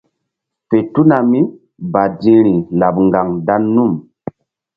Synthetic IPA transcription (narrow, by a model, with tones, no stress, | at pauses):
fe˨tu˦na˨mi˦ | ba˨dĩ˦ɾi˨la˨p̚ŋɡa˨ŋda˦nːu˦˨m